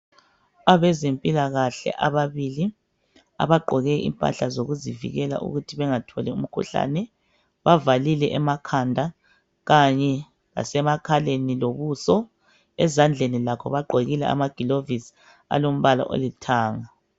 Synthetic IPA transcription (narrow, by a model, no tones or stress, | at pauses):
aβɛzempʼilaɣaɬɛ̰ʔaβaβili | a̰βaɡ͡ǃʱɔɣɛʔḭmpʼa̰ɬazoɣuzivḭɣɛla̰ʔṵɣutʰiβɛŋatʰɔlɛum̩kʰṵɬa̰nɛ | βavalilɛʔɛmakʰandʱa | ɣaɲɛ | ɣa̰sɛmakʰaleniloβusɔ | ɛzand͡ɮʱenilakʰɔβaɡ͡ǃʱoɣilɛa̰maɡ̥ʱilovis | a̰lom̩βala̰ʔo̰litʰaːŋa